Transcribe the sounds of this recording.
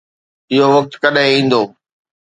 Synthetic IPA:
ɪɦoʋɐk̚t̪kɐɗɦɪ̃ĩːn̆d̪oː

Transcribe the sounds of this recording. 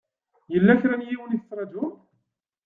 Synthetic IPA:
jəlːæçɾænjiwəniθət͡sːɾˤɑd͡ʒun

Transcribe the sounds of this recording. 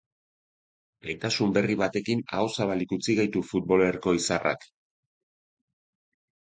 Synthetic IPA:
ejt̪asumbe̞riβat̪e̞kina̰o̞saβalikut͡siɣajt̪ufut̪̚bo̞leɾko̞isara̰k

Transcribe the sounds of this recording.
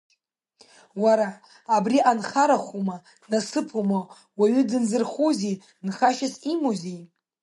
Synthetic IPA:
waɾaː | briʔanχaɾaχʷuma | nasɨpʰuma | waɥʏdɨnzɨrχuzi | nχaʃasimozij

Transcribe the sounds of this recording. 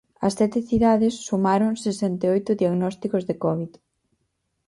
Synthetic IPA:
ɐsːɛt̪ɪθiðaðɪsːumaɾʊŋsesɛnt̪eojt̪ʊðiaɣnɔst̪ikʊzðekɔβið

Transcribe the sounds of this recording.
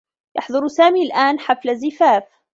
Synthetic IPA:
jɑ̰ħd̪ˤʊɾˤsaːmiːlʔaːnħaflazɪfaːf

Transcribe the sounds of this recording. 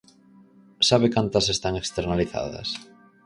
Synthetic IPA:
saβekant̪ɐsest̪aŋekst̪eɾnaliθa̰ðɐ̰s

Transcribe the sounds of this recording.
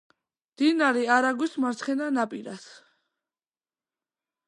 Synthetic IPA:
d̪̥inaɾiaɾaɡwismaɾt̪sʰχɛnanapʼiɾas

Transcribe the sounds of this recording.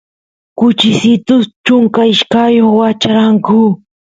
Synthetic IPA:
kʊt͡ʃɪsɪt̪ʊst͡ʃʊŋkaɪʃkajoχwat͡ʃaɾaŋkʊ

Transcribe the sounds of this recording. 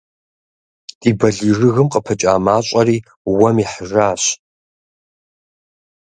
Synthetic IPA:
tʼiːbɐɮiːrɨɣɨmqʼəpʰɐt͡ʃʼaːmaːɕʷʼɐɾiː | wɐmiħʐaːɕ

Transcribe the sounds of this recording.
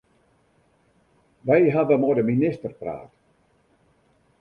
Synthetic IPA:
ʋɛjɦaʋəmodəminɪstərpra̰ːt

